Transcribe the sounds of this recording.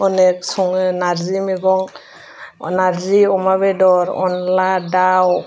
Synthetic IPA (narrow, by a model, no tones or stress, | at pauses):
ɔnɛksɔŋɯnaɾzimeɡɔŋ | naɾziɔmabɛdɔɾɔ̰nladaw